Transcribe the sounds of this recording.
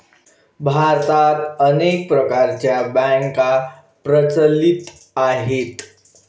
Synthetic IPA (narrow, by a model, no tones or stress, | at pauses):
bʱaɾt̪at̪ənek̚pɾəkaɾt͡ɕjabɛ̃ŋka | pɾət͡səlit̪ | aɦet̪